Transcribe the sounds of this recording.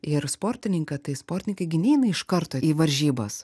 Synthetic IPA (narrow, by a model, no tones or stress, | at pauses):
ɪɾspoːɾʲt̪ʲɪnʲɪŋkɐt̪ɐɪspoːɾʲt̪ʲɪnʲɪŋkɐɪɡʲɪnʲɛːɪnɐɪʃkɐɾt̪oːiːʋɐɾʲʒʲiːbɐs